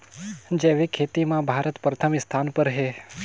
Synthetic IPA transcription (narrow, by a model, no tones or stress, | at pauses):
d͡ʒeʋikʰet̪imãbʱaɾət̪pɾət̪ʰəmɪst̪ʰanpəɾɦe